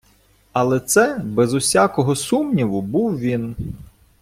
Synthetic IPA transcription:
ɐlˠɛt̪sɛbɛzʊsʲakɔɦɔsumnʲiʋʊbuwʋʲin

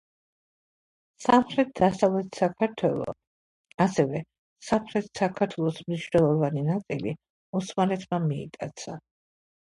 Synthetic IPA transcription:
samχɾɛt̪̚d̪asavlɛt̪ʰsakʰaɾt̪ʰwɛlˠɔ̰ | asɛvɛ | samχɾɛt̪ʰsakʰaɾt̪ʰwɛlˠɔsmniʃnɛlˠɔvaninat̪sʼilḭ | usmalɛt̪ʰmamiɛ̰t̪ʼat̪sʰa

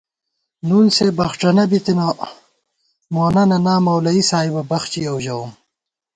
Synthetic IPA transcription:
nunsebɐxʈ͡ʂɐnɐbit̪ina | moːnɐnɐnaːmɐwlɐisaːjbɐbɐxt͡ɕiɐwʑɐum

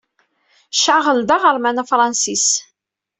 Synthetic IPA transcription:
ʃaʁəld̪aʁəɾˤmænæfɾˤɑnsis

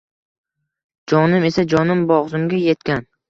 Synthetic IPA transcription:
d͡ʒɒnɪme̞sad͡ʒɒnɪmbɒʁzɪmɡʲaje̞t̪kʲan

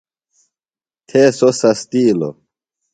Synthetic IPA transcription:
t̪ʰeːsosɐst̪iːlo̰

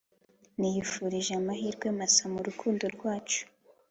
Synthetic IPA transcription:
nijifuɾiʒeamahiːɾɡwemasamuɾukʰuːndoɾɡwaːt͡ʃu̥

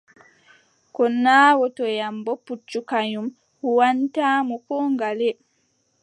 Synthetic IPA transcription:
kɔnːaːwɔtɔjambɔput͡ʃːukaɲum | huwantaːmɔkɔŋɡalɛ

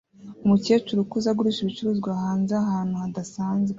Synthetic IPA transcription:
umuce̞ːt͡ʃuɾukuzaɡuɾuʃiβit͡ʃuɾuːzɡwaɦaːnzeaɦaːn̥huhadasaːnze

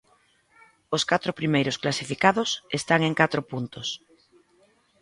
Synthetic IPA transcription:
oskat̪ɾʊpɾimejɾʊsklasifikaðʊsest̪aŋeŋkat̪ɾopunt̪ʊs

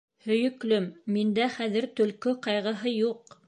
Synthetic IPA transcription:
hɵ̆jɵ̆klɵmːind̪æχæðɘ̆ɾt̪ɵ̆lkɵqɑjʁɤ̆ɦɤjuq

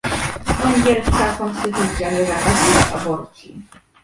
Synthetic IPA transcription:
ɔŋɡʲɛlskakɔnst̪ɘt̪ut̪sʲjaɲʲɛzakasia̰bɔɾt͡ɕḭ

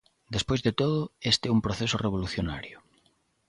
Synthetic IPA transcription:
d̪espojzðet̪oðʊest̪ɛumpɾoθesʊreβ̞oluθjona̰ɾjʊ

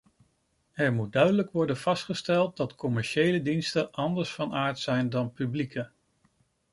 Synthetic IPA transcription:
ɛɹmut̚dœɥdələkʋɔɹdənvɑstχəstɛlˠt̚dɑtkɔmɛɹʃejlədinstəʔɑndəɹsfɑnaːɹtsɛjndɑnpyblikʰə

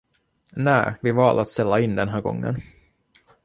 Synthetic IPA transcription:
næːvɪvɑːld̪at̪st̪ɛlːaɪnd̪ɛnɦæːɾɡɔ̰ŋːə̰n

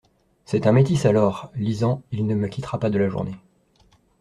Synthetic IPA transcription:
sɛt̪ɛ̃met̪isalɔːʁlizɑ̃ilnəməkʲit̪χapad̪əlaʒṵʁne

